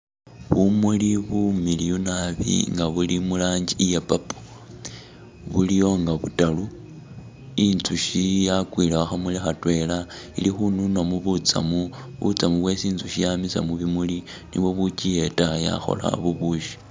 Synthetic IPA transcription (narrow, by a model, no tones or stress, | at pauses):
βumuliβumilijunaβḭŋɡaβulimulaːɲɟiijapapo̥ | βulijo̞ŋɡaβutalu | int͡suʃijakwiːlaaxamulixatwe̞lailixununamuβut͡sa̰mu | βṵt͡samuβwe̞siːnt͡suʃijamisa̰muβimuli | nḭβwo̞βucije̞taja̰xo̞̰la̰βuβuʃi̥